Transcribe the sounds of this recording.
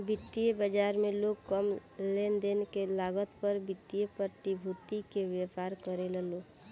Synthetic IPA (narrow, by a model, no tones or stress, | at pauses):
bɪt̪ːiebəd͡ʒaːɾmẽloːɡkəmlend̪enekelaːɡət̪pəɾbɪt̪ːijepət̪ibʱut̪ikeʋjəpaːɾkəɾeleloː